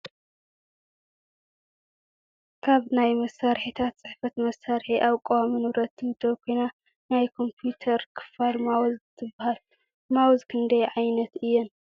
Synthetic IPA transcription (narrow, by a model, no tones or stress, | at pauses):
kʰaβnajmɐsaɾħit̪ʰat̪t͡sʼɨħfɐt̪mɐsaɾħiʔaβkʼowaminuɾɐt̪ːɨmɨd̪ɐwkʰo̞jna | najkʰo̞mpʰjut̪ʰɐɾkʰɨ̥falmawzt̪ʰɨbːahal | mawzkʰɨnd̪ɐjʕajnɐt̪ɨjːɛn